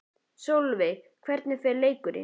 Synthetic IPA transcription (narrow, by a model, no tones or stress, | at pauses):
sowlvɪ | kʰvɛɾt̪nɪθɛɾleːjkʏɾɪ̰